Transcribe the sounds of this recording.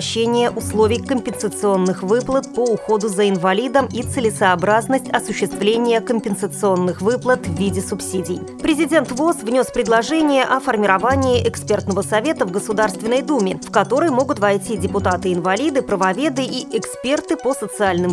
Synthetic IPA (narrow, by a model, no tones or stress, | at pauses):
ɕːenʲɪjəʔʊslˠo̞vʲɪjkəmʲpʲɪnsət̪sɨo̞nːɨxvɨplˠət̪̚pəʊxo̞d̪ʊzəɪnvɐlʲid̪əmit̪sɨlʲɪsɐɐbɾaznəsʲtʲɐsʊɕːɪst̪vlʲenʲɪjəkəmʲpʲɪnsət̪sɨo̞nːɨxvɨplˠət̪vːʲidʲɪsʊpsʲidʲɪj | pɾʲɪzʲɪdʲe̞nt̪vo̞svnʲo̞spɾʲɪd̪lˠɐʐɛnʲɪjəʔɐfərmʲɪɾɐvanʲɪːʔɛkspʲe̞rt̪nəvəsɐvʲe̞t̪əvɡəsʊd̪arst̪vʲɪnːəjd̪umʲɪfkɐt̪o̞ɾəjmo̞ɡʊt̪vɐjtʲidʲɪpʊt̪at̪ɨɪnvɐlʲid̪ɨpɾəvɐvʲe̞d̪ɨʔiʔɛkspʲe̞rt̪ɨpəsət̪sɨalʲnɨm